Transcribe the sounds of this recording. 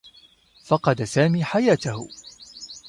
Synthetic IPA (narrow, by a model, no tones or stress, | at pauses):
fɑqɑd̪asaːmiːħajaːt̪ahʊ̰